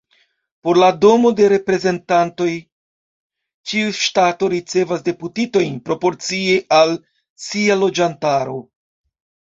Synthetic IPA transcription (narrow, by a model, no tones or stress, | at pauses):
po̞ɾlado̞mo̞de̞ɾe̞pɾe̞ze̞ntanto̞j | t͡ʃiuʃtato̞ɾit͡se̞vas̬de̞putito̞jnpɾo̞po̞ɾt͡sieʔal | sialo̞d͡ʒantaɾo̞